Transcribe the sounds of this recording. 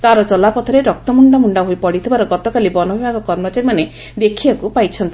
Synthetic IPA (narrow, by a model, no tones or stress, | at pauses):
t̪aɾɔt͡ʃɔlapɔt̪ʰɔɾeɾɔk̚t̪ɔmuɳɖamuɳɖaɦojpɔɽit̪ʰibaɾɔɡɔt̪ɔkalibɔnɔbʱibʱaɡɔkɔɾmɔt͡ʃaɾimane | d̪ekʰibakupajt͡ʃʰɔnt̪i